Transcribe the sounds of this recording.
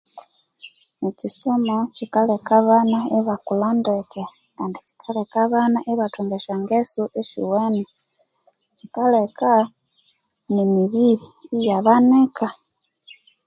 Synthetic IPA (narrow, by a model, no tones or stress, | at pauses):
ecisomocikalekaβanaeβakulandeta | kaːndici̥kʰalekaβanaʔeβatʰuŋɡeʃaŋɡesuʔeʃḭwena | cikaleka | nemiβiβiːjaβaneka